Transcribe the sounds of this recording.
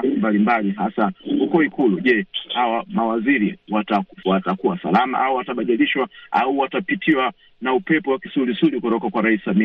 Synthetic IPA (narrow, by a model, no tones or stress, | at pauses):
simbalimbaliɦasahukɔikuluʄɛhawamawaziɾiwatawatakuwasa̰lama̰ʔauwataɓaʄaliʃwaa̰uwatapitʰiwa | naupɛpɔwakisulisulikutɔkakwaɾaissamia